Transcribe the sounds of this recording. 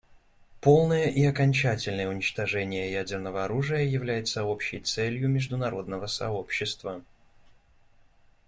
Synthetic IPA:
po̞lˠnəjəʔiɐkɐnʲt͡ɕætʲɪlʲnəjəʊnʲɪt͡ɕt̪ɐʐɛnʲɪjəjædʲɪrnəvəɐɾuʐɨjəjɪvlʲæjɪt̪səo̞pɕːɪjt̪sɛlʲjʊmʲɪʐd̪ʊnɐɾo̞d̪nəvəsɐ̰opɕːɪst̪və

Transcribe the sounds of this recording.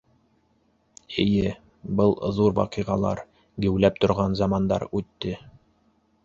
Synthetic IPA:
ɘ̆jɘ | bɤlˠðuɾwɑ̰qɤjʁɑlˠɑ̰ɾ | ɡɘ̆wlæp̚t̪ŏɾʁɑnzɑmɑnd̪ɑ̰ɾʉt̪ːɘ

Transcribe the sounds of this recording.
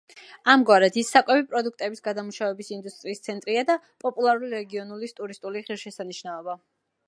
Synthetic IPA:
amɡwaɾɛd̪ʰisːakʼwɛbipʼɾɔd̪uk̚ʰt̪ʼɛbisɡad̪amuʃavɛbisind̪ust̪ʼɾiːst̪sʰɛnt̪ʼɾiad̪a | pʼɔpʼulˠaɾuliɾɛɡiɔnulist̪ʼuɾist̪ʼuliʁiɾʃɛsaniʃnaɔba

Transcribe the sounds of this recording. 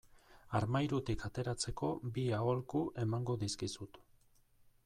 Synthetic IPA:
aɾmajɾut̪ikat̪e̞ɾat͡se̞ko̞biao̞lkuʔe̞maŋɡo̞ðiskisut̪

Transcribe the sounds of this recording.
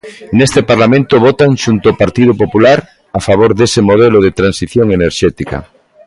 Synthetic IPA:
nest̪epaɾlamẽnt̪oβ̞ot̪aŋʃunt̪oopaɾt̪iðopopulaɾ | afaβ̞oɾðesemoð̞eloð̞et̪ɾansiθjoŋeneɾʃɛt̪ika̰

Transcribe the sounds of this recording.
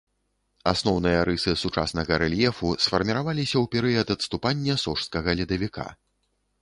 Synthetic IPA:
a̰snɔwn̪ɨjɐɾɨsɨsut͡ʂa̰snɐɣɐɾɛlʲjɛfusfɐrmʲiɾavalʲisʲɐwpʲɛɾɨjɐd̪ɐt̪st̪upanʲːɐsɔʂskɐɣɐlʲid̪ɐvʲikʰa̰

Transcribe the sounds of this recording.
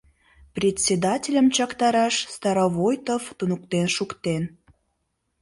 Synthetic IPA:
prʲetʲsʲed̪ɑtʲelʲəmt͡ɕɑkt̪ɑɾɑʃst̪ɑɾovojt̪oft̪unuk̚t̪enʃukt̪en

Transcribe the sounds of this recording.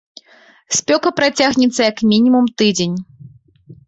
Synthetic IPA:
sʲpʲɔkɐpɾat͡sʲaɣnʲɛt̪sːɐjɐkmʲinʲimumt̪ɨd͡zʲenʲ

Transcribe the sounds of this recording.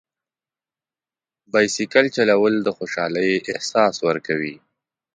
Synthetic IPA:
bɑjsikalt͡ʃalawəld̪əxoʃɑləjʔɪhsɑswəɾkawi

